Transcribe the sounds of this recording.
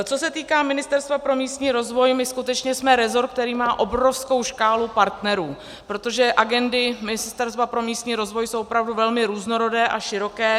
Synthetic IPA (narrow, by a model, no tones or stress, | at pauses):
t͡so̞sɛt̪iːkaːmɪnɪst̪ɛɾst̪vapɾo̞miːst̪ɲiːɾo̞zvo̞jmɪskut̪ɛt͡ʃɲɛsmɛɾɛzo̞ɾk̚t̪ɛɾiːmaːʔobɾo̞fsko̞wʃkaːlupaɾt̪nɛɾuː | pɾot̪o̞ʒɛʔaɡɛndɪmɪnɪst̪ɛɾst̪vapɾo̞miːst̪ɲiːɾo̞zvo̞jso̞wʔopɾavduvɛlmɪɾuːzno̞ɾo̞dɛːʔaʃɪɾo̞kɛː